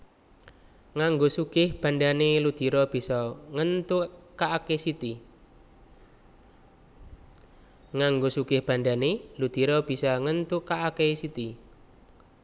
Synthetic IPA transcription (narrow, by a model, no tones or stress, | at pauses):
ŋaŋɡosuɡ̥ɪhb̥a̤nɖanelud̪̥i̤ɾɔb̥isɔŋənt̪ukaʔakesit̪i | ŋaŋɡosuɡ̥ɪhb̥a̤nɖanelud̪̥iɾɔb̥i̤sɔŋənt̪ukaʔakesit̪i